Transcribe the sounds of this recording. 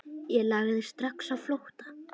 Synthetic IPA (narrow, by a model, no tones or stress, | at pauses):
jɛlaːɣðɪst̪ɾaksavflowht̪ḁ